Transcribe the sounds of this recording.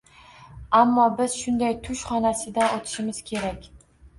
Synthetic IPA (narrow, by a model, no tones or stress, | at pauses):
amːɒbɪz̥ʃʊnd̪ajt̪ʰʊʃχɒnasɪd̪anot̪ʰɪ̥ʃɪmɪz̥kʲʰe̞ɾakʲ